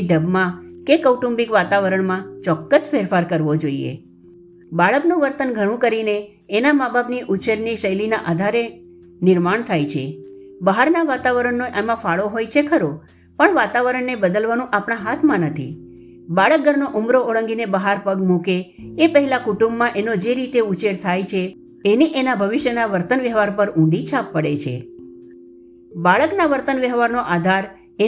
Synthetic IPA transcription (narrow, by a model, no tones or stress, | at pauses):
ɖəbmãkekəwʈũmbikʋat̪aʋəɾəɳmãt͡ʃɔkːəsfeɾfaɾkəɾʋod͡ʒoiḛ | baɭəknũʋəɾt̪ənɡʱəɽ̃ũkəɾineː | namabʱabniʔʊt͡ʃeɾniʃəjlinaʔad̪ʱaɾe | nɪɾmaɳt̪ʰajt͡ʃʰebəɦaɾnaʋat̪aʋəɾəɳːoʔamãfaɭoɦojt͡ʃʰekʰəɾo | pəɳʋat̪aʋəɾəɳːebəd̪əlʋanũʔapɳ̃aɦat̪ʰmãnət̪ʰḭ | baɭək̚ɡʱəɾnoʔumɾooɭəŋɡinebəɦaɾpəɡmukeːpəɦɛlakuʈũmbːãʔenod͡ʒeɾit̪eut͡ʃeɾt̪ʰajt͡ʃʰe | eniʔenabʱəʋɪʃjənaʋəɾt̪ənʋəɦʋaɾpəɾũɖit͡ʃʰapːəɽet͡ʃʰḛ | baɭəknaʋəɾt̪ənʋəɦʋaɾnoʔad̪ʱaɾ | e